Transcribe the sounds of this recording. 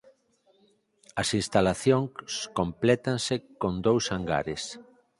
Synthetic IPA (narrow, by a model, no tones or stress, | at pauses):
ɐsinst̪alaθjõŋskomplɛt̪ansekõnd̪owsaŋɡa̰ɾes